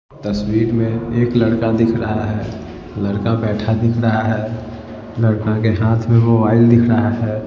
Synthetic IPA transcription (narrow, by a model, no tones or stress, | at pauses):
t̪əswiɾmẽekləɽkad̪ikʰɾəɦaɦɛ | ləɽkabɛːʈʰad̪ɪkʰɾəɦaɦɛ | ləɽkakeɦãt̪ʰmemobaɪld̪ɪkʰɾəɦaɦɛ